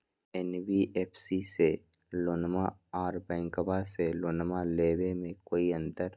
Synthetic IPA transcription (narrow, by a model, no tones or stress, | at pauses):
ɛnwiʔeːpʰsise | loːnmaaːɾbɛ̃ːŋkəbaseloːnmaleːwemẽkoːiə̃nt̪əɾ